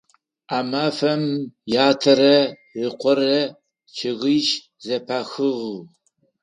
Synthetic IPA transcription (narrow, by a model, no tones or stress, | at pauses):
aːmaːfɐmjaːtʰɐɾɐ | rɨqʷɔrɐ | t͡ʃʰɪʁijʃ | zɐpʰaːxɨʁu